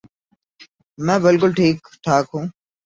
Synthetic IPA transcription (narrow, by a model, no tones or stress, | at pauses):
mɛ̃ːbɪlkʊlʈʰiːkʈʰaːkɦũː